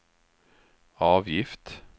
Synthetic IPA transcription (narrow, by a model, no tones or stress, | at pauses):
ɑːʋjɪft̪